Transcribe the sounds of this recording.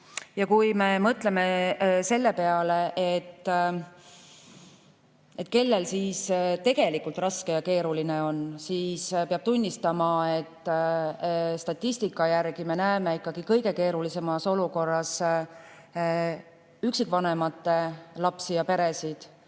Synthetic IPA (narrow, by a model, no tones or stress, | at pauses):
jɑkujme̞mɤt̪le̞me̞se̞lːe̞pe̞ɑle̞ʔet̪ː | e̞t̪ːˑke̞lːe̞lsiːst̪e̞ɡ̥e̞likult̪rɑske̞jɑke̞ːɾulineo̞nsiːspeɑb̥̚t̪unʲːist̪ɑmɑe̞t̪ː | st̪ɑt̪ʲːist̪ikˑːɑjærɡ̥ime̞næemeikːɑɡ̥ikɤjɡe̞ke̞ːɾulise̞mɑso̞luko̞rːɑs | yksikˑvɑne̞mɑt̪ːe̞lɑpsijɑpe̞ɾe̞sid̪̥